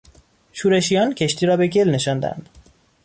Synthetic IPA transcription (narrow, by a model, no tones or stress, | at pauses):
ʃuːɾe̞ʃijɒːncʰe̞ʃt̪ʰiːɾɒːbe̞ɟelne̞ʃɒnd̪æ̰nd̪̥